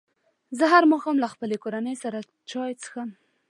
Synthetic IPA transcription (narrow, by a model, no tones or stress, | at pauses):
zəɦaɾmɑxɑmlaxpəlekoɾanəjsaɾa | t͡ʃɑjt͡sə̥xam